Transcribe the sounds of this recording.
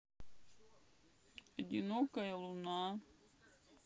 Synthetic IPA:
ed̪ʲinokɐjɐlˠuna

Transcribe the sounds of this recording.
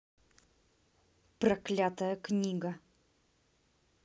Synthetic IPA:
pɾɐklʲat̪əjəknʲiɡə

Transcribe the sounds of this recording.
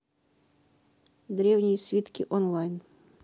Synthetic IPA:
d̪ɾɛwnʲijisʲʋʲit̪kʲiʔɔnlˠɑjn

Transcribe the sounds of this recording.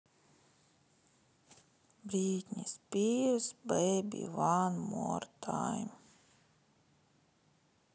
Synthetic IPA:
bɾiːt̪ʲɲʲispʲiːvsbɛjbʲḭvaːnmuɔɾt̪ʰa̰ːjm

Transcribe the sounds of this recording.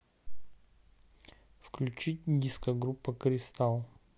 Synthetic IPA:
fklʲʉt͡ɕitʲdʲiskəɡɾupːəkɾʲɪst̪alˠ

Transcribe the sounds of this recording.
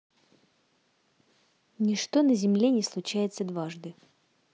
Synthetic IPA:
nʲɪʂt̪o̞nəzʲɪmlʲe̞nʲɪslˠʊt͡ɕæjɪt̪səd̪vaʐd̪ɨ

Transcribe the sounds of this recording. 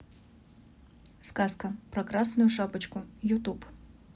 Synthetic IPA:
skaskəpɾɐkɾasnʊjʊʂabət͡ɕkʊjʊt̪up

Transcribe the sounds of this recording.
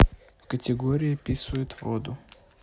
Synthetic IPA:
kətʲɪɡoɾʲɪjəpʲisvəjʊt̪vod̪ʊ

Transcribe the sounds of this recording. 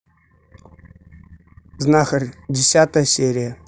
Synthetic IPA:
znaxərʲdʲɪsʲat̪əjəsʲeɾʲɪjə

